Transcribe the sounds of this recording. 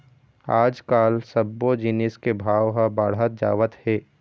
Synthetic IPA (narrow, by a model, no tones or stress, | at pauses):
aːd͡ʒkaːlsəbːod͡ʒɪnɪskebʱaːʋɦəbaːɽɦət̪̚d͡ʒa̰ːʋət̪hɛː